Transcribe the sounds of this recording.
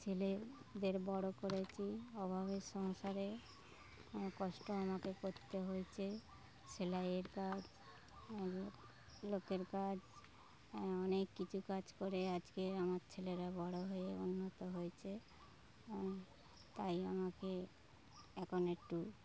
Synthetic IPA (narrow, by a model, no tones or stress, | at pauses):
t͡ʃʰeled̪eɾbɔɽokoɾet͡ɕʰiɔbʱaβeʃɔŋʃaɾe | kɔʃʈoamakekoɾt̪eɦojt͡ɕʰe | t͡ʃʰelajeɾkad͡ʑ | lokeɾkad͡ʑ | ɔnekːit͡ɕʰukad͡ʑkoɾead͡ʑkeamaɾt͡ɕʰeleɾabɔɽoɦoeunːot̪oɦojt͡ɕʰe | t̪ajamake | ɛkʰonek̚ʈu